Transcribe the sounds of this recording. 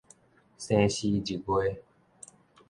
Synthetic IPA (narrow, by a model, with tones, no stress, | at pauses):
sɛ̃˦ɕi˦d͡ʑi˨ɡwe˦